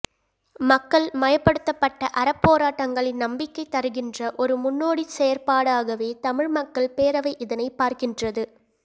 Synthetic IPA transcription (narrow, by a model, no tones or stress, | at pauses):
mɐkːɐɭmɐjɐpːɐɽɯt̪ːɐpːɐʈːɐʔɐɾɐpːoːɾaːʈːɐŋɡɐɭɪnnɐmbɪkːɐɪt̪ːɐɾɯɣɪndrɐʔɔɾɯmʊnːoːɽisɛjɐɾpaːɽaːɣɐʋeːt̪ɐmɪɻmɐkːɐɭpeːɾɐʋɐɪʔɪðɐnɐɪpːaːɾkɪndrɐðɯ